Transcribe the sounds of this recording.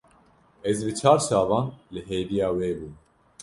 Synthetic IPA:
ɛzvɨt͡ʃʰaːɾʃɑːvɑ̃ːnlɨɦeːvijaːweːbuːn

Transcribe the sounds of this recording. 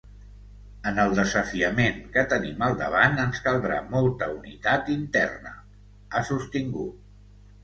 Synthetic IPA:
ənəlˠd̪əzəfiəmeŋkət̪əniməlˠd̪ə̰β̞anənskəlˠd̪ɾa̰mɔlˠt̪əunḭt̪at̪int̪ɛ̰rnə̰ | asust̪iŋɡut̪̚

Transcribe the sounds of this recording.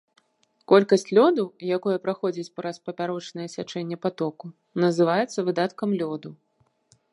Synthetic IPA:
kɔlʲkɐsʲt͡sʲlʲɔd̪ɐjakɔjɐpɾaxɔd͡zʲit͡sʲpɾɐspɐpʲaɾɔt͡ʂnɐjɛsʲat͡ʂɛnʲːɛpat̪ɔku | nɐzɨvajɛt̪sːɐvɨd̪at̪kɐmlʲɔd̪u

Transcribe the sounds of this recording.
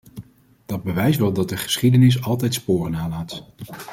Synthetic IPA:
d̥ɑd̚bəʋɛjsʋɛlˠdɑt̚dəχə̥sχidənɪs̬ɑlˠtɛjtspoːrənaːlaːt

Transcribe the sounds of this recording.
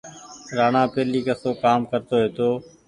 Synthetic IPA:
ɾaːnãːpeːliːkəsoːkaːmkəɾt̪oːɦeːt̪oː

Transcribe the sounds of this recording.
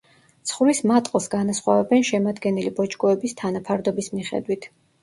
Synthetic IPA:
t̪sʰχlismat̪ʼqʼɔsɡanasχwa̰vɛbɛnʃɛmad̪ɡɛnilibɔt͡ʃʼkʼɔɛbist̪ʰanapʰaɾd̪ɔbismiχɛ̰d̪wit̪ʰ

